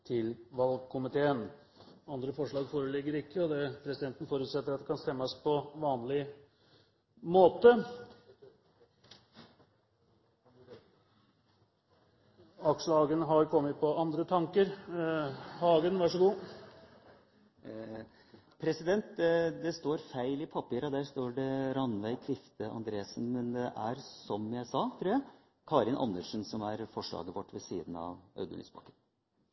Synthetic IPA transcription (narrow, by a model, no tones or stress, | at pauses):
t̪ʰɪlʋɑlɡ̚kʰʊmɪt̪ʰeːən | ɑnd̪ɾəfɔʂɭɑːɡfoːɾəlɪɡːəɾɪkːəɔd̪ɛpʰɾɛsɪd̪ɛnt̪ən̩foːɾʉːt̪sɛt̪ːəɾɑt̪d̪ɛkʰɑnst̪ɛmːəspʰɔʋɑːnlɪ | moːt̪ə | ɑkʂhɑːɡənɦɑɾkʰɔmːət̪̚pʰɔʔɑnd̪ɾət̪ʰɑŋkəɾ | hɑːɡənʋɑʂɔɡuː | pʰɾɛsɪd̪ɛnt̪d̪ɛst̪oːɾfæɪlɪpʰɑpiːɾɑd̪æːɾʂt̪oːɖɛɾɑnʋæɪt̪ʰʋɪft̪əʔɑ̰nd̪ɾeːsn̩mɛnd̪ɛʔæɾsɔmjæɪsɑːt̪ʰɾʉːjæ | kʰɑːɾɪnʔɑ̰nːəʂnsɔmæɾfɔʂɭɑ̰ːɡəʋɔʈːʋɛsḭːd̪nɑ̰ʋʔœ̰ʉd̪ə̰ny̰sbɑ̰kːən